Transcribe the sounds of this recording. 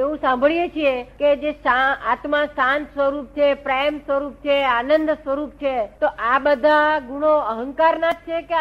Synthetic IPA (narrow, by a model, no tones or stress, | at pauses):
eũsãmbʱəɭijet͡ʃʰieked͡ʒesaat̪mãsãnsʋəɾup̚t͡ʃʰepɾejmsʋəɾup̚t͡ʃʰeanənd̪sʋəɾup̚t͡ʃʰet̪oʔabəd̪ʱaɡuɽ̃oəɦə̃ŋkaɾnad͡ʒt͡ʃʰeke